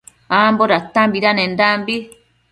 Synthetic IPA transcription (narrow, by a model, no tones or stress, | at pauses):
amboɾat̪ːambiɾanendaːmbi